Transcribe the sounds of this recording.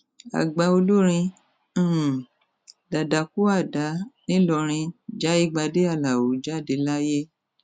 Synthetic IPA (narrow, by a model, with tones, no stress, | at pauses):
a̰˨ɡ͡ba˧o˧lu˦ɾ̃ĩ˧˦˨ | da˨da˨ku˦a˦˨da˨˦nĩ˦lɔ˧ɾ̃ĩ˧d͡ʒa˨˦i˦˨ɡ͡ba˧de˦a˦˨la˨o˨˦d͡ʒa˦˨de˧la˦je˦